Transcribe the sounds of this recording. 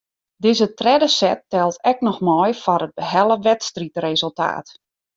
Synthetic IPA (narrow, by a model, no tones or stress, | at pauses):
dɪzətrɛdəsɛtːɛlˠtɛk̚nɔxmɔjfɔnəd̚bəɦɛlˠəʋɛtstritrezəlˠta̰ːt